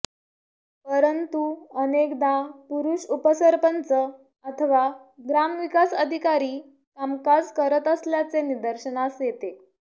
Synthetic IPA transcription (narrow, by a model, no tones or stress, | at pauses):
pəɾənt̪uənekd̪apuɾuɕupəsəɾpənt͡sə | ət̪ʰəʋaɡɾamʋikasəd̪ʱikaɾiː | kamkad͡zkəɾət̪əsljat͡senid̪əɾɕənasjet̪e